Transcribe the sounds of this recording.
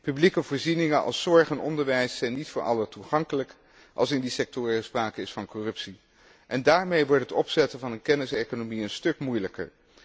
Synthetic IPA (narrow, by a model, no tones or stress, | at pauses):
pyblikəvʊːɹzinɪŋəʔɑ̰lˠsɔɹχɛnɔ̰ndəɹʋɛjsːɛjnitfʊːɹɑ̰lətuχɑŋkələk | ʔɑ̰lˠsɪndisɛk̚tɔːɹəspraːkəɪsfɑnkɔrɵpsi | ʔɛndaːɹmejʋɔɹtətɔpsɛtənvɑnənkɛnɪsejkonomiənstɵkmujləkə̰ɹ